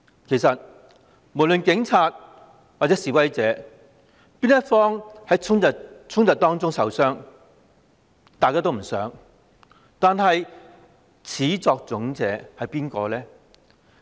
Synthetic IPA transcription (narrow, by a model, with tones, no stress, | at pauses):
kʰe˨˩jsɐ˨t̚ | mo˨˩lɵ˨nkɪ˨˥ŋt͡sʰaː˧t̚ | wa˨˩t͡sɛː˨˥siː˨wɐ˥jt͡sɛː˨˥ | piː˥njɐ˥tfɔː˥ŋhɐ˨˥jt͡sʰʊ˥ŋɐ˨t͡sʰʊ˥ŋt̪ɐ˨˩t̪̚ɔː˥ŋt͡sʊ˥ŋsɐ˨˧wsœː˥ŋ | t̪aː˨jkaː˥t̪o˥wm̩˨˩sœː˨˥ŋ | t̪aː˨˧nɦɐ˨j | t͡sʰiː˨˥t͡sɔː˧k̚t͡sʊ˨˥ŋt͡sɛ̰ː˨˥hɐ˨jpiː˥nkɔː˧lɛː˥